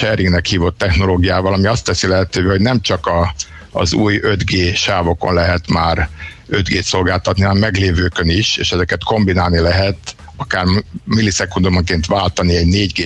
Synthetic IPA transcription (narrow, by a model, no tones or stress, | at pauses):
ʃɛɾiŋɡnɛkhiːvo̞t̪ːɛxno̞loːɡijaːvɒlɒmiɒst̪ːɛsilɛɦɛt̪øːveːho̞ɟnɛmt͡ʃɒkɒ̰ː | zuːjød̪ɡeːʃaːvo̞ko̞̰nlɛɦɛt̪maːɾø̞d̪ɡeːt̪so̞lɡaːlt̪ɒt̪niɒnɛmːɛɡleːvøːkøniʃḛːʃɛzɛkɛt̪ko̞mbinaːlnilɛɦɛt̪ | ɒkaːrmilːisɛkund̪omoŋkeːnt̪vaːlt̪ɒniɛɟneːɟɡeː